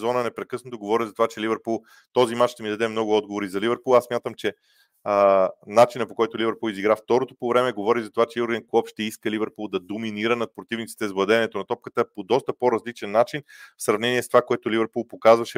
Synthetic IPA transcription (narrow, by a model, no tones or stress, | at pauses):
zɔnənɛpɾɛkɤsnot̪oɡovɔɾizɐt̪ovat͡ʃɛlivɛɾpulˠ | t̪ɔzimat͡ʃʃt̪ɛmid̪ɐd̪ɛmnɔɡʊɔd̪ɡovoɾizɐlivɛɾpulˠasmʲjat̪əmt͡ʃɛ | nat͡ʃinəpokɔjt̪olivɛɾpulˠiziɡɾaft̪ɔɾot̪o̥povɾɛmɛɡovɔɾizɐt̪ovat͡ʃɛoɾɡɛnkɔpʃt̪ɛiskəlivɛɾpulˠd̪ɐd̪ominiɾənɐt̪̚pɾot̪ivnit̪si̥t̪ɛzblˠɐd̪ɛnɛt̪onɐt̪ɔp̚kət̪əpod̪ɔst̪əpoɾɐzlit͡ʃɛnːat͡ʃinfsɾɐvnɛniɛst̪ovakoɛt̪olivɛɾpulˠpokazvɐʃɛ